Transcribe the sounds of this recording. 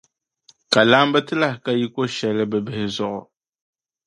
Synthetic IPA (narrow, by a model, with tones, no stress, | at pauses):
ka˨la˦mbɨ˦tɨ˦la˦hɪ˨ka˦ji˦ko˦ʃɛ˨lɨ˦bɨ˨bɨ˦hɪ˦zʊ˦ʔʊ̰˨